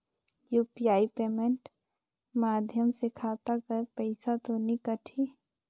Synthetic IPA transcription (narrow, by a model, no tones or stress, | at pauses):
juːpijaːipeːmeɳʈ | maːd̪ʱjəmsɪkʰat̪akəɾpəɪsat̪onikəʈʰi